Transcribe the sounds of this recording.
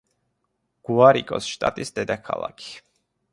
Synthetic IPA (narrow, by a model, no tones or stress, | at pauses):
ɡ̥uaɾikʼɔ̰sʃt̪ʼat̪ʼisd̪ɛd̪akʰa̰lˠa̰kʰi̥